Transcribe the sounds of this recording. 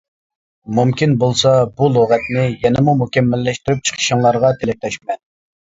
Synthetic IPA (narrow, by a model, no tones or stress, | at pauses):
mumkʲinbolˠsɑbulˠoʁɛt̪nɪjɛnɪmumukʲɛmːɛlːɛʃt̪yɾyp̚t͡ʃʰə̥qʰə̥ʃɪŋlˠɑɾʁɑt̪ʰelɪk̚t̪ʰɛʃmɛn